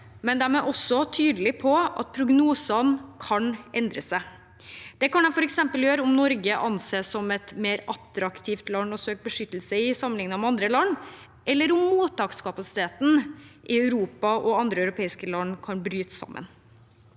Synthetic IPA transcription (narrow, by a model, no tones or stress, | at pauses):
mɛnd̪æɾmɛʔɔsːɔt̪ʰyːd̪əlɪpʰɔʔɑ̰t̪̚pʰɾʊɡnuːsɑnkʰɑnʔɛnd̪ɾəsæ | d̪̥ɛkɑnɛfɔɾɛksɛmpəljøːɾəʊmnɔɾɡəʔɑnseːsɔmɛt̪meːɾɑt̪ɾɑkt̪ʰiːft̪lɑnːɔsøːk̚bəʂʏt̪ːl̩səɪsɑmənɪŋnɑmɛɑnd̪ɾəlɑnː | ʔɛlːəɾʊmːuːt̪ʰːɑːkskɑpɑsɪ̥t̪ʰeːt̪n̩ʔɪœʉɾuːpɑʔɔɑnd̪ɾəɑʉɾʊpʰeːɪskəlɑnːkʰɑnbɾyːt̪sɑ̰mːʔə̰n